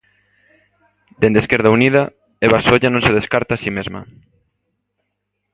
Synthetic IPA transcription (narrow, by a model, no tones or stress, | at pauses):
d̪̥end̪eskeɾðauniðɐ | eβasoʎanõŋseðeskaɾt̪aːsimezmɐ̰